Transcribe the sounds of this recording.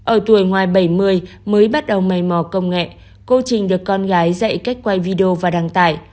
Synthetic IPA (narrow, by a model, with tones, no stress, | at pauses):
ʔəː˧˩t̪u˧˩əjŋwaː˨˩jɓə˧˩jmɨ˧əjməː˨˦jɓa˦˥t̚ɗə˨˩wma˨˩jmɔ˧˩kə˧wŋ͡mŋɛ̰˧˨ | ko˧t͡ɕï˨˩ŋ̟ɗɨ˨˩ək̚ːɔ˧nɣaː˨˦jzə̰˧˨jka˦˥jk̟̚kwa˧jvi˧ɗe˧o˧vaː˨˩ɗaː˧˩ŋt̪aː˧˩j